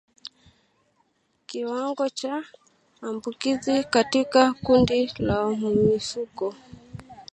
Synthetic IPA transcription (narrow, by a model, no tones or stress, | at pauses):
kiwaŋɡɔt͡ʃaː | mbukizikatikakundilam̩ifukɔ